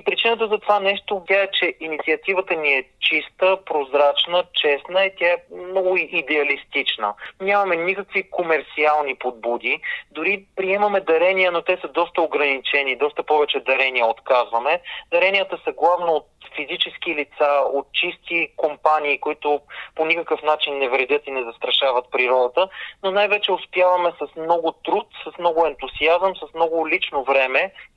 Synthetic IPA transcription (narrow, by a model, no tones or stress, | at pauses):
ipɾit͡ʃinət̪əzɐt̪ovanɛʃt̪obʲjaɛt͡ʃɛʔinit̪sʲiɐt̪ivət̪əniɛt͡ʃist̪əpɾozɾat͡ʃnət͡ʃɛsnəit̪ʲaɛmnɔɡʊid̪ɛɐlist̪it͡ʃnə̰nʲamɐmɛnʲikəkvikomɛɾt̪sialˠnipod̪̚bud̪id̪ʊɾipɾiɛmɐmɛd̪ɐɾɛniənot̪ɛsəd̪ɔst̪əoɡɾɐnit͡ʃɛnid̪ɔst̪əpɔvɛt͡ʃɛd̪ɐɾɛniəot̪kazvɐmɛd̪ɐɾɛnʲiət̪əsəɡlˠavnoot̪fizit͡ʃɛsk̟ilit̪saot̪̚t͡ʃist̪ikompaniːkʊit̪ʊponikəkəfn̪at͡ʃinːɛvɾɛd̪ʲɤt̪inɛzɐst̪ɾɐʃavɐt̪̚pɾiɾɔd̪ət̪ənonajvɛt͡ʃɛʊspjavɐmɛsɐsmnɔɡʊt̪ɾut̪sɐsmnɔɡʊɛnt̪ʊziazəmsəsmnɔɡʊlit͡ʃnovɾɛmɛ